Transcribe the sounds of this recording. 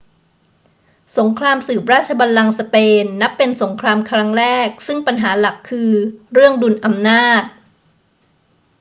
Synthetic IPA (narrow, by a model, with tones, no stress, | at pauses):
so˩˦ŋkʰɾaː˧msɯː˨˩p̚ɾaː˥˩t̪̚t͡ɕʰa˧ba˧nla˧ŋsa˧peː˧nːa˦˥pːe˧nso˩˦ŋkʰɾaː˧mkʰɾa˦˥ŋɾɛː˥˩k̚sɯ˥˩ŋpa˧nɦaː˩˦la˨˩kʰːɯː˧ɾɯ˥˩əŋdu˧nʔa˧mnaː˥˩t̪̚